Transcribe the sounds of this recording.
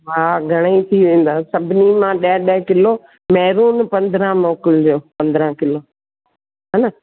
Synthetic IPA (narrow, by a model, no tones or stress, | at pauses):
ʋaːɡʱɐɽ̃əit̪ʰiʋẽːn̆d̪aːsɐbʱɪnimãːɗẽɗəɦkɪloː | mɛːɾuːnpɐ̃nd̪ɾãːmoːkɪld͡ʑoːpɐ̃nd̪ɾãːkɪloː | ɦɐnə